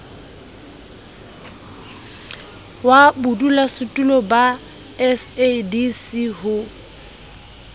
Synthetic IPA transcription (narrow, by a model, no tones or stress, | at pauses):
wabʊdulasʊtʼulɔba | ɛsedisiɦʊ